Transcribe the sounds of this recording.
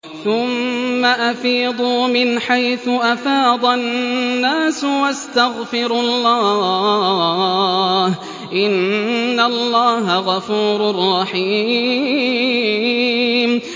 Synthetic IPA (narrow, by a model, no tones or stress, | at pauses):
θʊmːaʔafiːd̪ˤuːmɪnħajθʊʔafɑːd̪ˤannːaːswast̪aɣfɪɾlːɑː | h | ʔɪnːalːɑːɦaɣɑfuːɾrˤːɑħiː | m